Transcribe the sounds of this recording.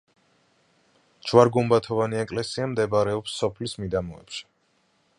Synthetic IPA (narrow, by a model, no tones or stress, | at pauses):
d͡ʒvaɾɡumbat̪ʰɔvaniɛkʼlɛsiamd̪ɛbaɾɛɔpsːɔpʰlismid̪amɔɛ̰t͡ʃʰɛ̥